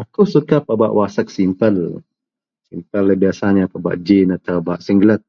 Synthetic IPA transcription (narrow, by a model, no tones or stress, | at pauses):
akusukapabaʔwasək̚simpəl | simpəlbiasaɲapaba̰ʔd͡ʒinat̪abaʔsiŋɡlət̪̚